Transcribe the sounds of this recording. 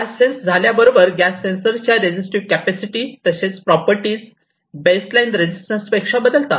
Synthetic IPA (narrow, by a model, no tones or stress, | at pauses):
ɡæsːensd͡zʱaljabəɾobəɾɡæsːẽnsəɾt͡ɕjaɾed͡ʑisʈiʋkæpæsiʈiːt̪əset͡spɾɔpəɾʈiːs | beslainɾed͡ʑisʈənspekʂabəd̪əlt̪at̪